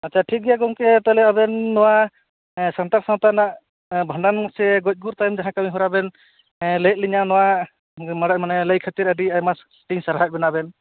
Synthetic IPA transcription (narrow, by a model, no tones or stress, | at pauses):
att͡ʃʰaʈʰik̚ɡɛjaɡɔŋkɛt̪ɔlɛaβɛnːɔwa | sant̪aɾsaw̃t̪anaʔ | bʱəɳɖanmɔsɛɡɔc̚ˀɡuɾt̪ajmd͡ʒaɦãkamiɦɔɾabɛn | let̪̚liɲanɔwa | maɽaʔmanɛləjkʰat̪iɾaɖiajmas | ʈiɲsaɾaɦac̚bɛnabɛn